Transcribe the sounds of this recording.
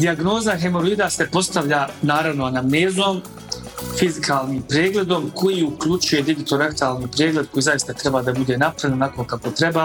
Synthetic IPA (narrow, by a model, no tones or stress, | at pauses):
d̪iaɡno̞ːzaɦemo̞ɾuiːd̪ase̞po̞st̪aʋʎaːnaːɾaʋnoanameːzoːm | fizikʰaːlˠniːmpɾeːɡle̞d̪o̞mkʰo̞jiːukʎut͡ʃuje̞d̪iɡit̪o̞ɾent̪aːlˠniːpɾeːɡle̞d̪̚ko̞jiːzajist̪at̪ɾe̞baːd̪abud̪e̞napɾaenonakokako̞t̪ɾe̞baː